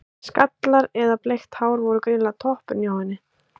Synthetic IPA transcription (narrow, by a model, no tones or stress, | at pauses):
skat̪laɾɛðaplejxt̪haːwɾvɔɾʏkɾɪːnlat̪ʰɔhpʏɾnjawhɛnːɪ